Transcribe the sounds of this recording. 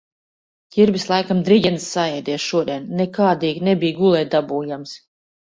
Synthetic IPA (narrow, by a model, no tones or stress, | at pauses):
ciɾbislˠajkamd̪ɾiɟʲɛnsːaɛjd̪ʲiɛʃuɔd̪iɛnːɛkaːd̪iːɡnɛbijɡulˠɛjd̪abuːjams